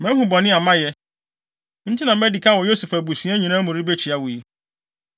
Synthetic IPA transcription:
mɛ̃˦ɦũ˨bɔ˨nɪ̃˦a˨mã˦jɛ˦ | n̩˦tʰɪ˦nã˨mɛ˦di˨kʰa˦˨wɔ˨jo˦su˨fæ˨bu˨sĩ˦ɛ˦ɲĩ˨nã˦mʊ̃˨ɾi˦be˦t͡ɕʰi˨a˦wʊ˨ji˦

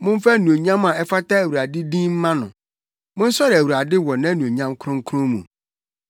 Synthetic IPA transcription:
mʊ̃˦m˦fa˦nũ˨o˨ɲã˦ma˨ɛ˦fa˦tʰa˦æ˨wu˨ɾa˨dɪ˦dĩ˦m̩˦mã˦nʊ̰̃˨ | mʊ̃˦n̩˦sɔ˦ɾæ˨wu˨ɾa˨dɪ˦wɔ˨nã˦nũ˨o˨ɲã˦mkʰʊ˦ɾʊ̃˦ŋ̩˦kʰʊ˦ʊ̃˦mṵ̃˨

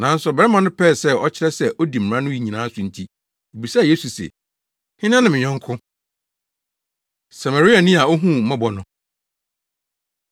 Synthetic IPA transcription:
nã˨n̩˦sʊ˨bɛ˦mã˨nʊ̃˦pʰɛː˦˨sɛ˦˨ɔ˦t͡ɕʰɪ˦ɾɛ˦sɛ˦˨ʔo˦di˨m̩˨ɾã˦nʊ̃˦ji˨ɲĩ˨nãː˨˦sʊ˨n̩˨tʰi˦ | e˨bi˨sa˦˨jeː˦su˨sɛ̰˨ | hɪ̃˦nã˦nɪ̃˦˨mɪ̃˨ɲɛ̃˦ŋ˦kʰʊ̃˦ | sa˨ma˨ɾi˦a˨nĩ˦a˨o˦ɦũ˦mã˦bɔ˨nʊ̃˦

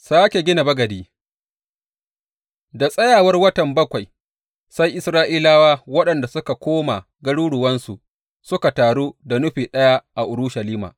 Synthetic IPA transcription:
saː˦kʲe˨ɡʲɪ˦na˨bɐ˦ɡɐ˨diː˦ | da˨sʼɐ˦jaː˨wɐ˦rwɐ˦tɐ˨mbɐ˦kʷa˨j | sa˦jʔɪ˦sɾaː˦ʔiː˦laː˦waː˦wɐ˦ɗɐ˨nda˨sʊ˦ka˨kʷoː˦ma˨ | ɡɐ˦ɽuː˦ɽʊ˨wɐ˦nsu˨ | sʊ˦ka˨taː˨ɽuː˦da˨nʊ˦ɸiː˨ɗɐ˦ja˦ʔa˨ʔʊ˨ɾʊ˦ʃa˨liː˦ma̰ː˨

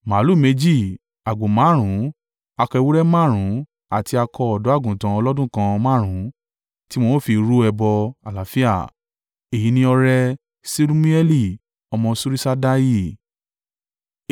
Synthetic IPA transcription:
mãː˨˦lu˦˨me˧˦d͡ʒi˦˨ | a˨ɡ͡bo˨mãː˨˦ɾ̃ũ˨˦ | a˧kɔ˧wu˦ɾɛ˦mã˦˨ɾ̃ũ˨˦ | a˨ti˧a˧kɔ˧ɔ˨dɔ˨˦a˦˨ɡũ˨tã˧ɔ˧lɔ˦dũ˦˨kã˧mã˦˨ɾ̃ũ˨˦ | ti˦mõ˧˦˨fi˧ɾu˦ɛ˧bɔ˧a˨la˨˦fi˦a̰˦˨ | e˨ji˨˦nĩ˧˦ɔ˧ɾɛ˧ | si˦ɾu˦mĩ˦ɛ˦li˦˨ | ɔ˧mɔ̃˧su˦ɾi˦sa˦da˦ji˦˨

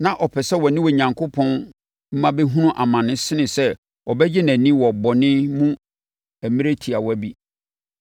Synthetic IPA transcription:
nã˨ʔɔ˨pʰɛ˨sɛ˦wɔ˨nɪ̃˦wɔ˨ɲã˨ŋkʰo˦pʰɔ̃˦n | m̩˦mã˦bɛ˦ɦũ˦nũ˦ʔa˨mã˨nɪ̃˦sɪ˦nɪ̃˨sɛ˦ | ɔ˨bɛ˦d͡ʑɪ˦næ̃˨nĩ˦wɔ˨bɔ˨nɪ̃˦mũ˦ | æ˨mĩ˦ɾe˦tʰi˨a˨wɔ˦æ˦bi˦

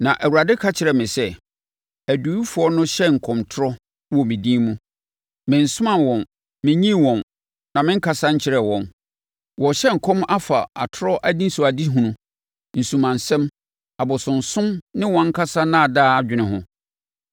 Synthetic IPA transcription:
nã˨ʔæ˨wu˨a˨dɪ˦kʰa˦t͡ɕʰɪ˨ɾɛ˨mɪ̃˨sɛ˦ | æ˨du˨˦i˦fʊ˨ɔ˦nʊ̃˦ɕɛ˦ŋ̩˨kʰɔ̃˨mtʰʊ˦ɾɔ˦ | wɔ˨mɪ̃˨dĩː˦mũ˦ | mɪ̃˨n̩˨sʊ˦mã˦˨wɔ̃˨n | mɪ̃˨ɲĩ˦wɔ̃˨n | nã˨mɪ̃˦ŋ̩˦kʰa˨sa˦ɲ̩˦t͡ɕʰɪ˨ɾɛ˨wɔ̃˨n | wɔ̃˨ɕɛ˦ŋ̩˨kʰɔ̃˦ma˦fa˨a˨tʰʊ˦ɾɔ˦ʔæ˦dĩ˦n˦sʊ˨a˨di˦ɦũ˨nũ˨ | n̩˨sũ˨mã˨n˨sɛ̃˦m | a˨bɔ˨sʊ̃˨n˨sʊ̃˦mnɪ̃˦wɔ̃˨˦ŋ̩˦kʰa˦sa˦nã˦a˨daː˦a˨d͡ʑᶣɪ˨nɪ̃˨ɦʊ̃˦

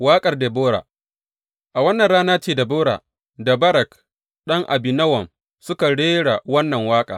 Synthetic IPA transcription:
waː˦kʼɐ˨rdeː˨boː˦ɽa̰ː˨ | ʔa˨wɐ˦nːɐ˨nɾaː˦naː˦t͡ʃeː˦˨da˨boː˦ɽa̰ː˨ | da˨bɐ˦ɾɐ˨k | ɗɐ˦ŋʔa̰˨bɪ˨nɐ˦wɐ˨m | sʊ˦ka˨ɽeː˦ɽa˨wɐ˦nːɐ˨ŋwaː˦kʼa̰ː˨

